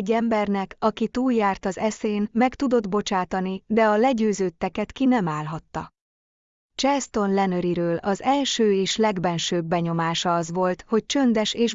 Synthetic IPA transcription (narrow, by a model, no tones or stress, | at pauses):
ɟːɛmbɛrnɛkɒkit̪uːljaːrt̪ɒzɛseːnmɛkt̪ud̪o̞d̪bo̞t͡ʃaːt̪ɒnid̪ɛɒlɛɟøːzøːt̪ːɛkɛt̪kinɛmaːlɦɒt̪ːɒ | t͡ʃɛst̪o̞nlɛnøɾiɾøːlɒzɛlʃøːeːʃlɛɡbɛnʃøːbːɛɲo̞maːʃɒɒzʋo̞lt̪ho̞c̚t͡ʃønd̪ɛʃeːʃ